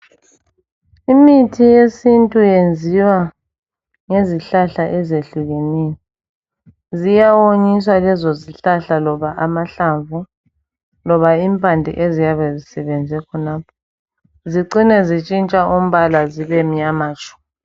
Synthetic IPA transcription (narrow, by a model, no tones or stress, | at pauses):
imitʰijesintʼujend͡zʱiwa | ŋeziɬaɬaʔɛzeɬuɣeneji | zijawoɲis̬walɛzoziɬaɬalɔβaʔamaɬaɱvu | lɔβaimpʰʼandʱḭʔezijaβɛzisɛβɛnd͡zʱɛkʰɔnaːpʰɔ | ziǀinɛzit͡ʃʼint͡ʃʼaʔum̩βalaziβɛm̩jamaːt͡ʃʼɔ̥